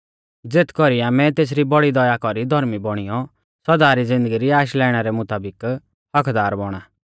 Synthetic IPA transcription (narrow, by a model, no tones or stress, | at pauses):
d͡zeːt̪ʰkɔɾijãmɛ̃t̪eːs̬ɾibɔɽid̪ɔjakɔɾid̪ʱɔɾmibɔɽ̃ijɔ | sɔd̪aːɾid͡zɪ̃nd̪əɡiɾiaːʃ̬lɛːɽ̃aɾɛmʊt̪aːbɪk | hɐkʰd̪aːɾbɔɽ̃aː